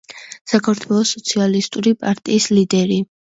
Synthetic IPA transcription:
sakʰaɾt̪ʰwɛlˠɔsɔt̪sʰialist̪ʼuɾipʼaɾt̪ʼiːslid̪ɛɾi

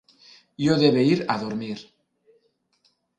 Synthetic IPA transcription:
joðeβeiɾaðoɾmiɾ

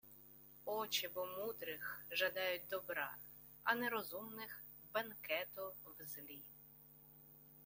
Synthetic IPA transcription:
ɔt͡ʃɪbɔmud̪ɾɪxʒɐd̪ɑjʊt̚ʲd̪ɔbɾɑ̰ | ɐ̰nɛɾɔzumnɪx | bɐnkɛt̪ʊwzlʲi

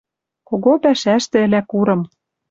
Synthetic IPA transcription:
koɣopæʃæʃt̪ɘ̆ɘ̆lækuɾɤ̆m

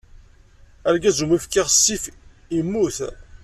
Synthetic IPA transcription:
æɾɡæzumifkːiʁsːif | imːuθ

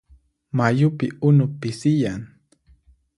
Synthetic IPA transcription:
majʊpɪʊnʊpɪsɪjaŋ

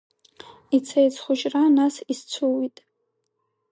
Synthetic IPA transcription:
it͡sʰajt͡sʰχʷʊʒʼranasist͡sʰuwitʼ

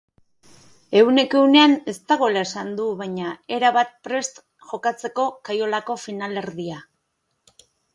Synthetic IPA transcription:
e̞wne̞ke̞une̞ane̞st̪aɣo̞elae̞sand̪uβajɲae̞ɾaβat̪̚pɾe̞st̪ | ʝo̞kat͡se̞ko̞kajo̞lako̞finale̞ɾðia

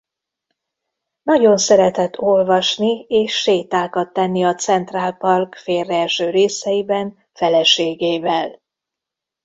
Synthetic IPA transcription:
nɒɟo̞nsɛɾɛt̪ɛt̪ʰːo̞lvɒʃnieːʃːeːt̪aːkɒt̪ːɛnːiɒt̪sɛnt̪raːlpɒrkfeːrːɛlʃøːɾeːsɛjibɛn | fɛlɛʃeːɡeːvɛl

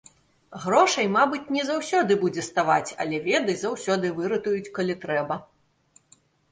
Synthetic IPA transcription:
ɣɾɔʂɐjmabɨt͡sʲnʲɛzawsʲɔd̪ɨbud͡zʲɛst̪avat͡sʲɐ̰lʲɛvʲɛd̪ɐjʲzawsʲɔd̪ɨvɨɾɐt̪ujut͡sʲkɐlʲit̪ɾɛbɐ

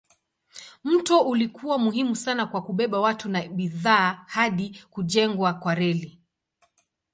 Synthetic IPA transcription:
m̩tɔulikuwamuɦimusanakwakuɓɛɓawatunaɓiðaːhaɗikuʄɛŋɡwakwaɾɛli

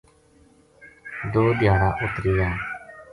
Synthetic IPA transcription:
d̪oːd̪ɪjaːɾaːʔʊt̪ɾiːjaː

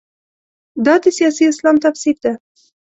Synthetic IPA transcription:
d̪ɑd̪əsijɑsiɪslɑmt̪afsiɾd̪a

